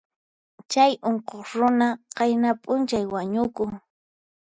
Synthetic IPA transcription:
t͡ʃajoɴqoχɾʊnaqɑjnapʼʊnt͡ʃajwaɲʊkʊŋ

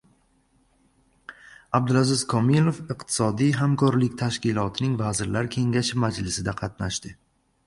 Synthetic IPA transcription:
ab̚d̪ɪlazɪzkʰɒmilˠofɨqt̪ʰɪ̥sɒd̪ijɦamkʰɒɾlɪkʲt̪ʰaʃkʲɪlˠɒt̪ʰɪnɪŋvazɪɾlaɾkʲʰe̞ŋɡʲaʃɪmad͡ʒlɪsɪd̪aqʰɑt̪naʃt̪ɪ

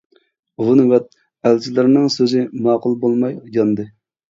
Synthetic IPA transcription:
ʁʊnvɛt̪̚ | ælt͡ʃʰilɪɾnɪŋsøzɪmɑːqʊlˠbolˠmɑjɡɑnd̪ɨ

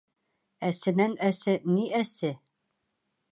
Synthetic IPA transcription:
æsɘ̆nænæsɘniʔæsɘ

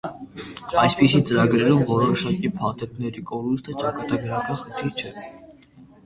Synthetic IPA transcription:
ɑjspisit͡səɾɑɡɾɛɾumvɔɾɔʃɑkipʰɑt̪ʰɛt̪nɛɾikɔɾust̪ʰət͡ʃɑkɑt̪ɑɡəɾɑkɑnχənt̪ʰiɾt͡ʃʰɛ

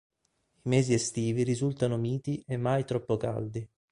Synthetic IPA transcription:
imɛːziest̪iːviɾizult̪anomiːt̪iʔemːajt̪ɾɔpːoka̰ld̪i

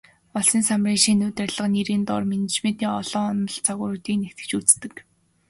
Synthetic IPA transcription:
ɔɮsiːnsamriːŋʃiːnːʊːt̪ærʲɮə̆qniɾiːnt̪ʊ̰rmenet͡ɕment̪iːŋɔɮɔːɔnɞ̆ɮt͡sʰaɣʊːɾuːt̪iːknekt̪ɘ̥̆kt͡ɕut͡st̪ɘ̆k

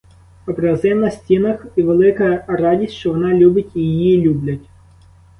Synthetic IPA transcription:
ɔpɾeɐzɪnnɐsʲtʲinɐxiʋelˠɪkɐjɐrɑdʲisʲtʲʃt͡ʃɔʋɔnɑlʲubʲɪtʲijjjilʲublʲɐtʲ

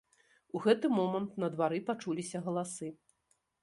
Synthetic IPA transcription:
uɣɛt̪ɨmɔmɐnt̪nɐd̪vaɾɨpat͡ʂulʲisʲɐɣɐlˠasɨ

